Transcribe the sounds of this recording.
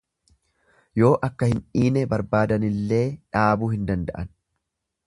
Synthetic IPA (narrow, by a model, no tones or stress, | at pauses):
jo̞ːʔɐkːɐhɪnᶑiːnɛbɐɾbaːd̪ɐnɪlːe̞ːᶑaːbuːhɪnd̪ɐnd̪ɐʔɐn